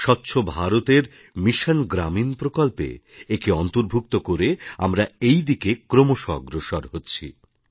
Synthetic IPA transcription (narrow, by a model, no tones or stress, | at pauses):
ʃɔtːɕʰobʱaɾot̪eɾ | miʃanɡɾaminpɾokɔlpḛekiɔnt̪oɾbʱuk̚t̪okoɾea̰mɾaejd̪ikekɾomoʃɔ̰ɡɾoʃaɾɦotːɕʰḭ